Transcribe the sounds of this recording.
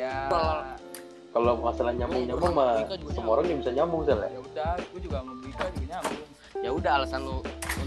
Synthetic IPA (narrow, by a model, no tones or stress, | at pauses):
kaloŋasalaɲambʊŋɲamumasəmoɾaŋjabisaɲamʊŋsala̰ | jaudaɦalasanu